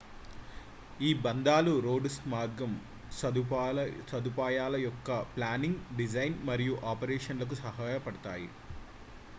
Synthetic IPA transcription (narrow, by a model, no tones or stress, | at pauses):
iːbɐnd̪aːluɾo̞ːɖsmaːɾɡɐm | sɐusɐd̪upaːjaːlɐjɔkːɐplaːniŋɡɖid͡ʒɐjnmɐɾijuʔaːpɐɾeːʂɐnlɐk̬usɐɦaːjɐpɐɽɐt̪aːji